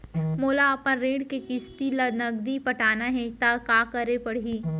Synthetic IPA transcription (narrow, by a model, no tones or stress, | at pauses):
moːlaɐpãnɾeːɖkekɪst̪ilɐnɐɡd̪ipɐʈaːnaɦɛt̪akaːkɐɾepɐɽ̤iː